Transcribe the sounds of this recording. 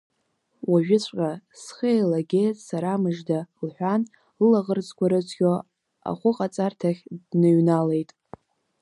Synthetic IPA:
waʒᶣɪt͡ɕʷʰʼqʲʼasχejlaɡʲejtʼsaɾamɨʐdalħʷan | lɨlaʁərd͡zʼkʷʰaɾɨt͡sʷʰɡʲo | a̰χʷʊqʼat͡sʼartʰaχʲdnɨɥnale̞jtʼ

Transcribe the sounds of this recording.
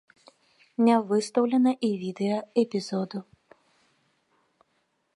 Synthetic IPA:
nʲɛvɨst̪ɐwlʲɛnɐʔivʲid̪ɛjɐɛpʲizɔd̪u

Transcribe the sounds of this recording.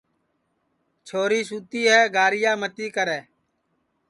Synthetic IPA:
t͡ʃʰoːɾiːs̬uːt̪iːɦɛːɡaːɾɪjaːmət̪iːkəɾɛː

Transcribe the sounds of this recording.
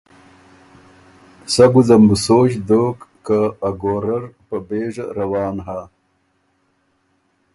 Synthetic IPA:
sɐɡuzɐmbusoːɕd̪oːkːaːɡoːɾɐɾpɐbeːʐɐɾɐwɑːnɦa

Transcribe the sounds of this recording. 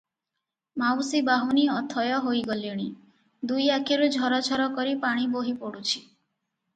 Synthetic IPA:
mawsibaɦuniɔt̪ʰɔjɔɦojɡɔliɽ̃i | d̪ujakeɾud͡ʒʱɔɾɔd͡ʒʱʰɔɾɔkɔɾipaɽ̃iboɦipɔɽut͡ʃʰi̥

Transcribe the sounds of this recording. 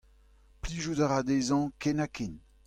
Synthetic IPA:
pliːʒud̪aʁad̪eːzɑ̃kɛnaken

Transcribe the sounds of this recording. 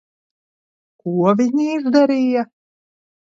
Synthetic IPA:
kuɔvʲinʲiiʒd̪aɾʲija

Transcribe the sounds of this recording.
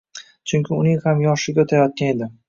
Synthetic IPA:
t͡ʃʰʊŋkʲɪʊnɪŋhamjɒʃɪɡʲaot̪ʰajɒt̪̚kʲane̞d̪ɪ

